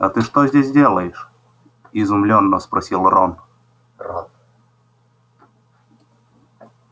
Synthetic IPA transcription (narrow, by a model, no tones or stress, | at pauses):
ɐ̰t̪ɨʂt̪ozʲdʲesʲdʲelˠəjɪʂ | ɪzʊmlʲonːəspɾɐsʲilˠron | r